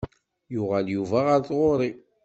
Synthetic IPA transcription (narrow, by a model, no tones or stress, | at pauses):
jʊʁaljuvaʁəɾθʁoɾˤi